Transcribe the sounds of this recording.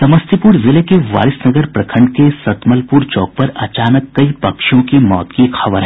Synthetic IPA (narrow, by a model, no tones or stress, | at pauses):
sɐməst̪ʰipuːɾzɪlekeʋa̰ːɾɪsnɐɡəɾpɾɐkʰə̃ɳɖkesɐt̪məlpuɾt͡ʃɔːk̚pɐɾɐt͡ʃaːnəkːɐipɐkʃõkimɔ̰ːt̪kixɐʋəɾɦɛ